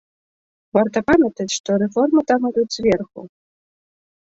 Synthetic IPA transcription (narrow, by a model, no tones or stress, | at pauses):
vart̪ɐpamʲɐt̪ɐt͡sʲʂt̪ɔɾɛfɔrmɨt̪amud̪uzʲvʲɛrxṵ